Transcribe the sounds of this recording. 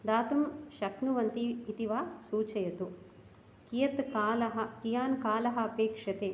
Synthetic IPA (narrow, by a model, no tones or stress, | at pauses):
d̪aːt̪ɐmʃɐknuʋɐnt̪iːt̪iʋaːsuːt͡ʃɐjɐt̪u | kijɐt̪kaːlɐɦɐkijaːnkaːlɐɦɐ̆ɐpeːkʂɐt̪eː